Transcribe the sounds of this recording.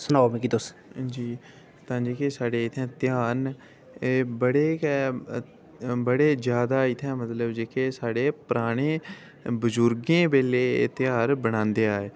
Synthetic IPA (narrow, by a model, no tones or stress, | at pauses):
sʊnaːomẽːkiːt̪ʊsd͡ʒiː | t̪ãːd͡ʒeːkeːsaːɽeːɪt̪ʰɛ̃ːt̪ɪjaːn | eːbəɽeːkɛ | bəɽeːd͡ʒjaːd̪aːɪt̪ʰɛ̃ːmət̪ləbd͡ʒeːkeːsaːɽeːpɾaːɽ̃eː | bəzʊɾɡẽːbeːlḛːt̪ɪjaːɾbəɽ̃ãːnd̪eːaːeː